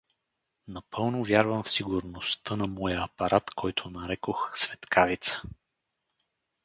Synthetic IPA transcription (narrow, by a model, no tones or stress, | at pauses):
nɐpɤlˠnovʲjaɾvəmfsiɡʊɾnost̪ənɐmɔjəːpɐɾʔat̪kʰɔjt̪ʰonɐɾɛkoxsvɛt̪kʰavit̪sə̥